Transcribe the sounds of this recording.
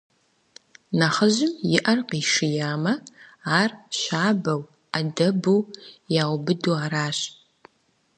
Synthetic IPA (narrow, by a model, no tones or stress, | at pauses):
nɐχəʑɪmjɪʔɐrqiʂɪjaːmɐaːrʃaːbɐw | adɐbuːjaːwbɨduːaːɾaːɕ